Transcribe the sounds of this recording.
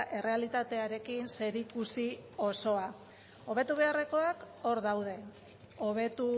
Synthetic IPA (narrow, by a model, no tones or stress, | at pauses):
ʔe̞rʔe̞alit̪at̪e̞aɾe̞kinse̞ɾikusio̞so̞a | o̞β̞e̞t̪uβ̞e̞are̞ko̞ak | o̞ɾðawðe̞ | oβ̞e̞t̪u